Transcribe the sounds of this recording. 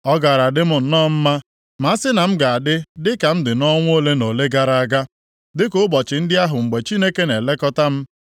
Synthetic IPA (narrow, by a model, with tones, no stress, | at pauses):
ɔ˦ɡa˨ɾa˨dɪ˦mʊ˨n̩˨nɔː˦˨m̩˦ma˦ | ma˨a˦sɪ˦na˨m̩˦ɡa˨a˨dɪ˦dɪ˦ka˨m̩˦dɪ˨nɔ˦ŋʷ˦o˦le˦no˨le˦ɡa˦ɾa˨a˦˨ɡa˦ | dɪ˦kʊ˦bɔ˨t͡ʃɪ˨n̩˦dɪ˦a˦ɦʊ˨ŋ͡m̩˨ɡ͡be˨t͡ʃi˦ne˦ke˦ne˨le˦kɔ˦ta˦m̩˦